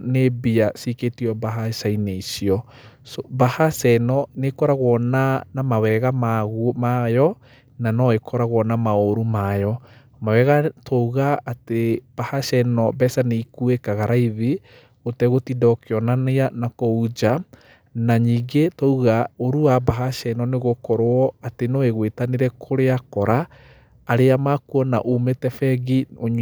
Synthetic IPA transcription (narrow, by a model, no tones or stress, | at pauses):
nebiasiketiɔbaɦasaineisiɔ | sɔbahasɛnɔnekɔɾaɣwɔnanamawɛɣamaɣumajɔ | nanɔekʰɔɾaɣwɔnamaoɾumajɔ | mawɛɣatʰɔuɣaːteb̥ahasɛnɔbɛsaneikuekaɣaɾaiði | otɛɣotidɔkeɔnaneanakɔud͡ʒa | naɲiːɡetɔuɣaoɾuwabaɦaʃɛnɔneɣokɔɾoɔatenɔeɣwetaneɾɛkʰoɾeakɔɾaː | ɾeamakuɔna̰ʔumetɛfɛɡioɲ